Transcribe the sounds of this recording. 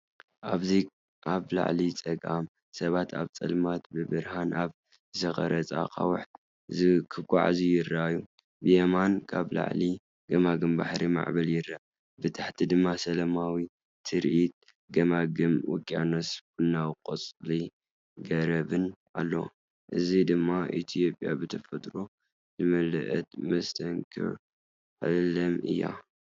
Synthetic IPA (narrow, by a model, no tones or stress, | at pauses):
ʔaβzi | ʔaβla̰ʕlit͡sʼɐɡʔam | sɐβat̪ʰa̰βt͡sʼɐ̰lmat̪bɨbɨɾhanʔaβ | ɨtɐxʼɐ̰ɾɐt͡sʼa̰kʼa̰wʊħt̪ | zikʰɨkʷʼːa̰ʕa̰zujɪrːaju | bɨjemankʰaβla̰ʕli | ɡɐmaɡɨmba̰ħɾima̰ʕbɐljɪɾːa | bɨt̪ʰaħt̪ʰid̪ɨmːasɐlɐmawi | t̪ʰɨɾʔit̪̚ | ɡɐmaɡɨmwɔ̰kʼːjanɐsbɨnːawqʼot͡sʼli | ɡɐɾɐβɨnʔa̰lːo̰ | ʔɨzid̪ɨmːaʔḭt̪ʰijo̞pʼja̰bɨt̪ʰɐfɐt̪ʼɾo̞ | zɨmɐlɨʔɐ̰t̪̚mɐst̪ʰɐŋkʰɨ̰ɾ | ʕɨlɐmɨ̰jːa̰